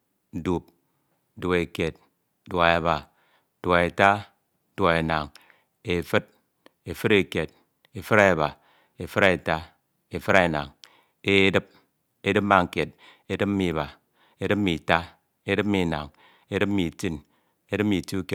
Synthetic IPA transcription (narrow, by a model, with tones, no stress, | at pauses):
du˨p̚ | du˨e˨ke˨t̚ | du˨a˨e˨ba˨˦ | du˨a˨e˨ta˦ | du˨a˨e˨na˨ŋ | e˨fɨ˦t̚ | e˨fɨ˦ɾe˨ke˨t̚ | e˨fɨ˦ɾa˦˨ba˨ | e˨fɨ˦ɾa˨e˨ta˦ | e˨fɨ˦ɾa˦˨na̰˨ŋ | e˦dɨ˦p̚ | e˦dɨ˦p̚ma˨ŋ̩˨ke˨t̚ | e˦dɨ˦p̚m̩˦mi˨βa˨ | e˦dɨ˦p̚m̩˦mi˨ta˦ | e˦dɨ˦p̚mi˨na̰˨ŋ | e˦dɨ˦pm̩˦mi˨ti˦n | e˦dɨ˦p̚mi˨tu˦ke˨